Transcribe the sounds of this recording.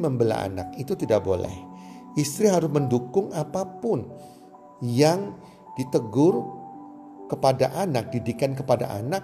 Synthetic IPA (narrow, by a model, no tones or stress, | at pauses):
məmbəla̰a̰na̰kit̪ut̪idaʔbolɛ̰hʔist̪ɾiɦaɾʊsməndukʊŋapapʊn | jaŋ | d̥it̪əɡʊr | kəpadaʔanak̚didikankəpada̰ʔa̰nak̚